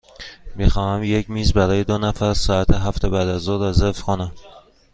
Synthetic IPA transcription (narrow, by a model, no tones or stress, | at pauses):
bixɒːhæmjecmiːzbæɾɒːjed̪onæfæɾsɒːæt̪ʰeɦæft̪ʰebæːd̪æzɒːɾɒzefkʰonæm